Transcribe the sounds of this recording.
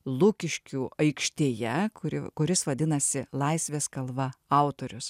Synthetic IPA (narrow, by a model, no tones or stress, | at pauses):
lˠʊkʲɪʃʲkʲuːɐɪkʃʲt̪ʲeːjɛkʊɾɪkʊɾʲɪsʋɐd̪ʲɪnɐsʲɪlˠɐɪsʲʋʲeːskɐlˠʋɐɑˑʊt̪oːɾʲʊs